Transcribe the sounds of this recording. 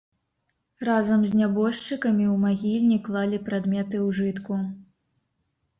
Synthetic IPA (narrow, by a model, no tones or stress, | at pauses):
razɐmzʲnʲabɔʂt͡ʂɨkɐmʲiwmaɣʲilʲnʲiklˠalʲipɾad̪mʲɛt̪ɨwʐɨt̪ku